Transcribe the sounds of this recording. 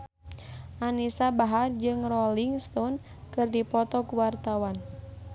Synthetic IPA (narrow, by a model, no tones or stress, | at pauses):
ʔanisabaɦard͡ʒɨŋrɔliŋst̪ɔn | kɨrdipɔt̪ɔkuwart̪awan